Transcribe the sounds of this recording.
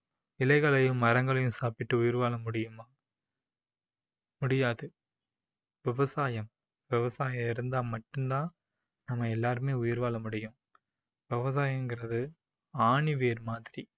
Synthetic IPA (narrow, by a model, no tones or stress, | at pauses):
ɪlɐɪɣɐɭɐjɯ̃mːɐɾɐŋɡɐɭɐjɯ̃saːpɪʈːɯʊjɪɾʋaːlɐmʊɽɪjɯmaː | mʊɽɪjaːðɯ | ʋɪʋɐsaːjɐm | ʋɪʋɐsaːjɐ̃mɪɾɯnd̪aːmɐʈːɯnd̪ãː | nɐmːɐɛlːaːɾɯmeːʊjɪɾʋaːɭɐmʊɽɪjʊ̃ | ʋɪʋɐs̬aːjɐŋɡɪɾɐðɯ | aːɳɪʋeːɾmaːðɪɾi